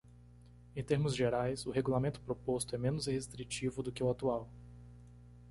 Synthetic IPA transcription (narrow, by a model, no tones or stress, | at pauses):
ẽt̪eɾmʊzʒeɾajsʊɦeɡulamẽnt̪ʊ̥pɾopost̪ʊɛmẽnʊzhest̪ɾit͡ʃivʊd̪ʊkɪʊat̪uaw